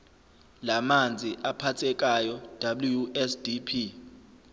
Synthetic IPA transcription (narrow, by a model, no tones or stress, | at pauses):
lamand͡zʱiʔapʰat͡sʰɛk̬ʼajɔd̥ʱablujuɛsdipʰi